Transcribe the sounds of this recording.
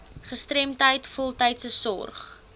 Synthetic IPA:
χəstrɛmtəjtfɔlˠtəjtsəsɔ̰rχ

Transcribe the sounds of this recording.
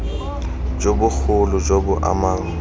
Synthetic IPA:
d͡ʒobʊk͡xʰʊlʊd͡ʒobʊʔa̰maːŋ̩

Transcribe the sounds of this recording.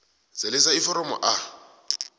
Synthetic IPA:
t͡sɪlɪsaifɔɾɔmɔ̰ʔa

